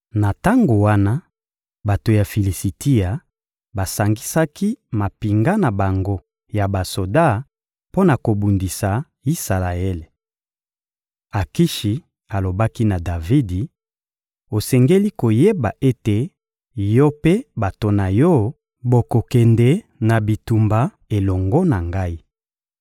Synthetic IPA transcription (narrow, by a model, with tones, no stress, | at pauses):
na˨ta˦ŋɡo˨wa˦na˦ | ba˨to˨ja˨fi˨li˨si˨ti˦a˨ | ba˨sa˨ŋɡi˦sa˦ki˦ma˨pi˨ŋɡa˦na˨ba˨ŋɡo˦ | ja˨ba˨so˨da˦ | po˦na˨ko˨bu˨ndi˨sa˨ | i˦sa˨la˨e˦le˨ | a˨ki˦ʃi˨ | a˨lo˨ba˦ki˦na˨da˨vi˦di˨ | o˨sɛ˨ŋɡe˦li˦ko˨je˦ba˨ʔe˦te˨ | jɔ˦pe˦ba˨to˨na˨jɔ˦ | bo˨ko˨kɛ˨ndɛ˨ | na˨bi˨tu˨mba˨ | e˨lɔ˨ŋɡɔ˦na˨ŋɡa˦i˦